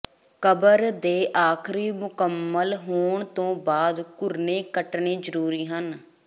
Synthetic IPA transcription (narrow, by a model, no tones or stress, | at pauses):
kəbəɾd̪eːʔaːkʰɾiːmʊkəmːəlɦoːɳt̪õːbaːd̪kʊɾneːkəʈɳeːzəɾuːɾiːɦən